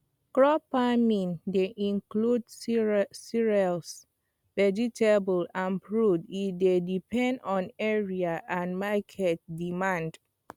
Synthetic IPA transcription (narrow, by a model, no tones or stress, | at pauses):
kɹɔpamĩndeʔĩŋkludssiɹɛls | vɛd͡ʒitʰebəlãnpɹudifdedipʰɛ̃ndɔ̃nɛɹiaʔãnmakʰɛt̚dimãnd